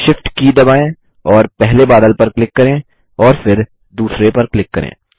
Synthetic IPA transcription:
ʃɪfʈkid̪ɐbaːẽ | ɔːɾpɛɦlebaːd̪əlpɐɾklɪkːɐɾẽː | ɔːɾfɪɾ | d̪uːsɾepɐɾklɪkːɐɾʔḛ̃ː

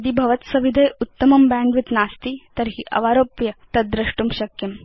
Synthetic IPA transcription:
d̪ibʱɐʋət̪sɐʋid̪ʱɐjut̪ːəmɐmbæ̃ɳɡʋit̪nast̪iːt̪əɾɦiːʔɐ̰ʋaɾoːpjət̪ɐd̪ɾɐʂʈumɕɐkjem

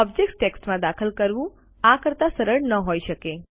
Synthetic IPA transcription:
ɔb̚d͡ʒeksʈeksʈmãd̪akʰəlkəɾʋũ | akəɾt̪asəɾəɽnəɦojʃəke

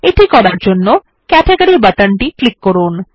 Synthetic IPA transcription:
eʈikɔɾaɾd͡ʑonːo | kɛʈʰeɡaɾibaʈanʈiklikːoɾun

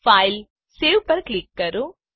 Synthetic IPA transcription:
pajl | seːʋpɐɾklikːɐɾu

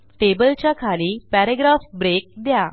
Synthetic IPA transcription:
ʈebəlt͡ɕjakʰaliːpæɾeɡɾafbɾek̚d̪ja

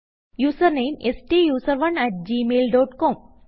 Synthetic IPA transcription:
juːsəɾneːmesʈijuːsəɾʋɐnɛʈ̚d͡ʒiːmeːlɖɔːʈkɔːm

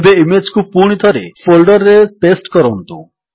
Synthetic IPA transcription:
beimed͡ʒkupuɽ̃it̪ʰɔɾefolɖɔɾːeʈesʈkɔɾɔnt̪u

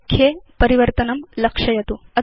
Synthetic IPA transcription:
kʰːjepɐɾiʋɐɾt̪ɐnɐmlɐkʂɐjɐt̪uɐ

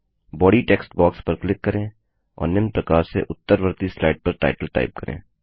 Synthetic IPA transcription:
bɔːɖiʈeːksʈbaːkspɐɾklɪkːɐɾẽː | ɔ̰ːɾnɪmpɾɐkaːɾsḛʔʊt̪ːəɾʋəɾt̪islaːɪɖ̚pɐɾʈa̰ːɪʈəlʈa̰ːɪp̚kɐɾḛ̃ː

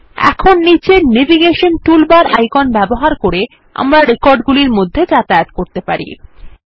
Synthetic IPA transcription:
ɛ̰kʰonːit͡ɕeneviɡeʃonʈulbaɾa̰jkɔnbɛboɦaɾkoɾe | a̰mɾaɾekɔɾɖɡuliɾmod̪ʱːed͡ʑat̪aet̪koɾt̪epaɾḭ

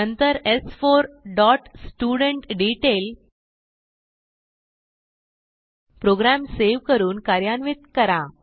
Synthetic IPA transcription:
ənt̪əɾesfoɾɖɔʈsʈuɽəɳʈɖiʈel | pɾoɡɾæmseʋkəɾuːnkaɾjanʋit̪̚kəɾa

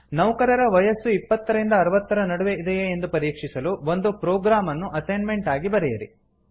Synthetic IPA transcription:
nɐʋkɐɾɐɾɐʋɐjɐsːuipːɐt̪ːɐɾɐɾind̪ɐːɾɐʋɐt̪ːɐɾɐnɐɽuʋeʔid̪ɛjeːnd̪upɐɾiːkʂisɐluʋo̞nd̪upɾoːɡɾaːmɐnːuʔɐsɐjnme̞ɳʈaːɡibɐɾɛjɐɾḭ

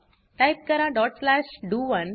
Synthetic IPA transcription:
ʈajp̚kəɾãɖɔːʈslæːʃɖuːʋən

